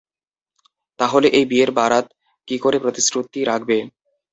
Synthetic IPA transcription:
t̪aɦoleʔejbieɾbaɾat̪ | kikoɾepɾot̪isɾot̪iɾak̚ʰbe

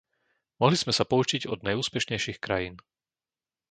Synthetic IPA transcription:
mɔɦliz̥mɛsapɔut͡ʃiɟɔd̪̚najuːspɛʃɲɛjʃiːxkɾajiːn

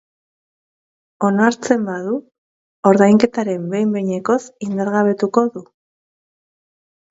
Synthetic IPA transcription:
o̞naɾt͡se̞mbaðu | o̞ɾðajŋke̞t̪aɾe̞mbe̞mbeɲeko̞sind̪aɾɣaβ̞e̞t̪uko̞ðu

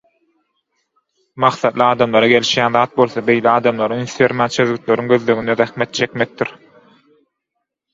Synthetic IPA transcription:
mɑqθɑd̪lˠɯɑːd̪ɑmlˠɑɾɑɡe̞lʲiʃjæːnðɑːt̪̚bo̞lˠθɑbe̞jleɑːd̪ɑmlˠɑɾɯynθeɾmæːnt͡ʃʰøðɣyt̪le̞ɾyŋɡø̞ðlø̞ɣynd̪eðæxmet̪̚t͡ʃʰe̞kmek̚d̪iɾ

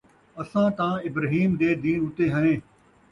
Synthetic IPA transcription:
ɐsãːt̪ãɪbɾəɦiːmd̪eːd̪iːnʊt̪eːɦənẽː

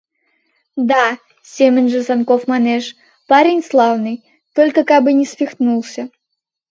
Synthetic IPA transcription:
d̪a | sʲemʲɛnʲʐɨzankɔfmanɛʂ | paɾʲenʲslˠawnɨj | t̪ɔlʲkɐkabɨnʲɛsʲpʲixt̪nulˠsʲɐ

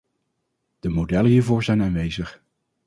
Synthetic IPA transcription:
d̥əmowdɛləɦiːɹvʊːɹzɛjnaːnʋejzəχ

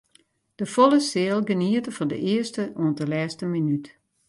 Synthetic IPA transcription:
d̥əfolˠəsɪəlˠɡəniətəfɔndə̰ʔɪəstəʔuəntəlɛːstəminyt

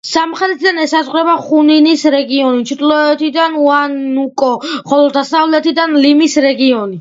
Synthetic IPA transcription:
ssamχɛd̪ɛt̪ʰid̪anɛsazʁɾɛbaχuninisɾɛɡiɔnit͡ʃʰit̪ʰʼlˠɔɛt̪ʰid̪anuanukʼɔχɔlɔd̪asavlɛt̪ʰid̪anlimisɾɛɡiɔni

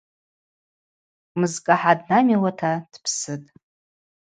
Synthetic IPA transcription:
mɨzkʼaħadnamilatʰad̥pʰsɨtʼ

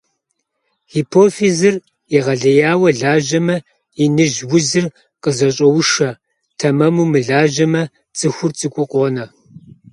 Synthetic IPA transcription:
hipʰoːfizɨr | iʁɐɮɐjaːwɐɮaːʒɐmɐ | inɨʒwʊzɨr | qəzɐɕʼɐwʊʃɐ | tʰɐmɐmumɨɮaːʒɐmɐ | t͡sʼɨxʷʊrt͡sʼɨkʷʼʊqʼoːnɐ

